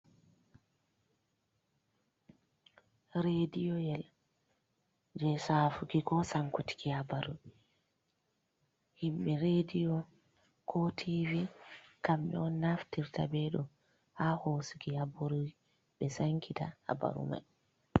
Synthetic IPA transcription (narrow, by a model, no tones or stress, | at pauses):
ɾedijɔjɛl | d͡ʒɛsaːfukikɔsaŋkuti̥kihabaɾu | himɓɛɾedijɔ | kʰɔtʰivikamɓɛ̰ɔnːaftiɾta̰bɛɗɔ | hahoːsukihabaɾuj | ɓɛsaŋkʰita̰ha̰ba̰ɾṵma̰j